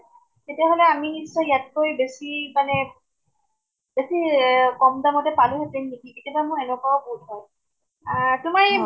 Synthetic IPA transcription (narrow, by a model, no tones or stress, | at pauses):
ketijaɦolɛaminisɔjat̚kojbesimanɛ | besikɔmdamɔtɛpalʊɦɛtemnikiketjabamʊɹɛnɛkaɔbout̚ʰɦɔj | tʊmaɹ